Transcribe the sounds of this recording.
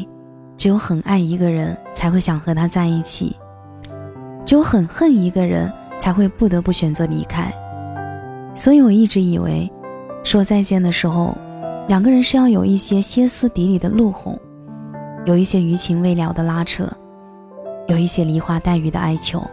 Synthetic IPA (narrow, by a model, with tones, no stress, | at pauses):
t͡ɕʊxə˨˩na˥˩ɪi˧˥ɡə˧ɻə˧˥nt͡sʰa˧˥ɪxwe˥˩ɪɕjɑ˨˩ŋxɤ˧˥t̪ʰa˥t͡sa˥˧ɪi˥˩t͡ɕʰḭ˨˩˦ | t͡ɕjo˥˧ʊxə˨˩nxə˥˩ni˧˥ɡə˧ɻə̰˧˥n | t͡sʰa˧˥ɪxwe˥˧ɪpu˥˩t̪ɤ˧˥pu˥˩ɕɥɛ˨˩nt͡sɤ˧˥lḭ˧˥kʰa˥ɪ | swɔ˧˥i˧˥wɔ˨˩i˥˩ʈ͡ʂɻ̩˧˥i˨˩wḛ˧˥ɪʂwɔ˥t͡sa˥˧ɪt͡ɕjɛ˥˩nd̪ə˩ʂɻ̩˧˥xo˧ʊ | ljɑ˨˩ŋɡə˧˦ɻə˧˥nʂɻ̩˥˧jɑ˥˩ʊjo˨˩ʊʔi˥˩ɕjɛ˥ɕjɛ˥sɹ̩˥˩t̪i˧˥li˨˩d̪ə˦lu˥˩xʊ̰˨˩˦ŋ | jo˨˩ʊi˥˩ɕjɛ˥y˧˥t͡ɕʰi˧˥ŋwe˥ɪljɑ˨˩ʊd̪ə˦la˥ʈ͡ʂʰɤ̰˥˩ | jo˨˩ʊi˥˩ɕjɛ˥li˧˥xwa˥t̪a˥˩ɪy˧˥d̪ə̰˧ʔa˥ɪt͡ɕʰjo̰˧˥ʊ